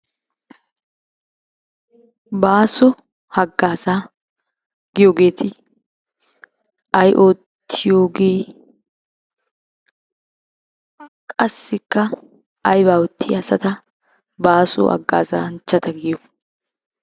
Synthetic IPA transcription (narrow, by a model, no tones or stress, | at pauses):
baːsɔ | hɐɡːaːzaː | ɡ̥ɪjoːɡe̞ːt̪ɪ | ɐjʔoːt̪ʰːɪjoːɡe̞ː | kʼɐsːɪkːɐ | ɐjbaːwɔt̪ʰːɪɐsɐt̪ɐ | baːsɔ̰hɐ̰ɡːa̰ːza̰ːnt͡ʃːɐt̪ɐɡɪjɔ